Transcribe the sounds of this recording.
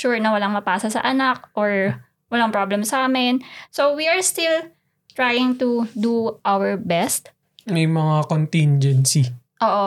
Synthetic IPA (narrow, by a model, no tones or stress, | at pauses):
ʃuɹnɐwɐlaŋmɐpaːsɐsɐ̰ʔɐnak̚ʔoɹ | wɐlaŋpɹablɛmsaːmɪnsowiɐɹst̪ɪl | t̪ɹajɪŋt̪ud̪uʔawɛɹbɛst̪ | mɛjmɐŋakont̪ɪnd͡ʒɛnsi | ʔoːʔo